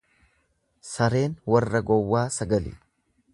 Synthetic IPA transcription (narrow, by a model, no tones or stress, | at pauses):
sɐɾe̞ːnwɐrːɐɡɔwːaːsɐɡɐlɪ̰